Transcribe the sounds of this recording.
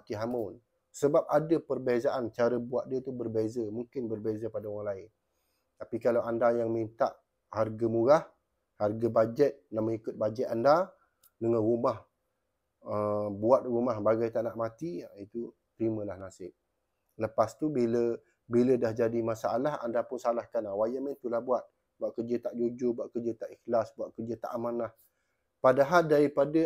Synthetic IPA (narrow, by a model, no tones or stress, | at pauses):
at̪iɦaman | səbap̚adəpərbezaʔant͡ʃaɾəbuaʔ̪̚diət̪ubərbezəmuŋkɪnbərbezəpadauɾaŋlaɪn | t̪apikalawandajaŋmint̪aʔ | harɡamuɾah | harɡabad͡ʒɛt̪̚naʔməŋikʊt̪̚bad͡ʒɛt̪anda | dəŋanrumah | əbuat̪̚rumahbaɡajt̪aʔnaʔmat̪iit̪u | t̪əɾimə̃lahnasɪʔ̚ | ləpast̪ubilə | bilədahd͡ʒadimasaalaha̰ndapʊnsalahkanawajəmə̃nt̪ulahbuat̪̚ | buaʔkərd͡ʒət̪aʔd͡ʒod͡ʒʊrbuaʔ̪̚kərd͡ʒət̪aʔixlasbuat̪̚kərd͡ʒət̪a̰ʔamanlah | padaɦaldaɾipadə